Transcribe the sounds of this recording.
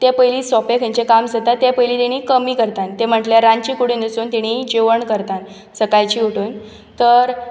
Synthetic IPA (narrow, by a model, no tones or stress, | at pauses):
t̪epəjliːsɔpekʰə̃ɲt͡ɕekamsət̪at̪epəjlit̪iɽ̃ikəmiːkəɾt̪ant̪ːem̤əʈljaɾant͡ɕikuɽiːnəsuːnt̪iɽ̃id͡ʑeʋəɳkəɾt̪an | səkajt͡ɕiːuʈuːn | t̪əɾ